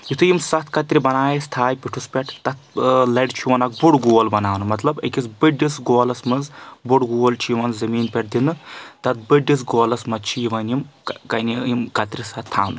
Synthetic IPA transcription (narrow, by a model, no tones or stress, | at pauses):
jit̪ʰɨjimsɐt̪ʰkɐt̪ɾibɐnaːjist̪ʰaːjpʲiʈʰuspʲeʈʰt̪ɐt̪̚ʰlɐɖt͡ʃʰiʋɐnɐk̚buɽɡuːlbɐnaːʋnɨmɐt̪lɐbɐ̰kʲisbɨɖisɡoːlɐsmɐzbuɽɡoːlt͡ʃʰiʋɐnzɐmiːnpʲeʈ̚d̪inːɨt̪ɐt̪̚bɨɖis̬ɡoːlɐsmɐt͡ʃʰijiʋɐnimkɐnijimkɐt̪ɾisɐt̪ʰːa̰ːnɨ